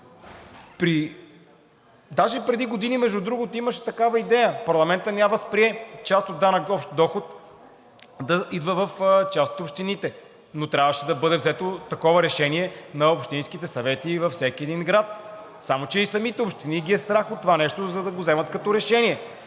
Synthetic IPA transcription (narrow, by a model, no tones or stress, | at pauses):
pɾi | d̪aʒɛpɾɛd̪iɡod̪inimɛʒd̪ud̪ɾuɡot̪oiməʃɛ̥t̪ɐkavɐid̪ɛjəpɐɾlˠɐmɛnt̪ənʲjaməspɾiɛt͡ʃast̪od̪ːanɐkɔpʃt̪d̪ɔxot̪ | d̪ɐʔid̪vəvɐft͡ʃast̪ot̪opʃt̪init̪ɛ | not̪ɾʲavəʃɛd̪ɐbɤd̪ɛvzɛt̪ot̪ɐkɔvəɾɛʃɛniɛnɐopʃt̪inskit̪ɛsɐvɛt̪ivɐfsɛkiɛd̪inɡɾat̪ | samot͡ʃɛisɐmit̪ɛopʃt̪iniɡʲiɛst̪ɾaxot̪ːovanɛʃt̪ozɐd̪ɐɡozɛmɐt̪kɐt̪ɔɾɛʃɛniɛ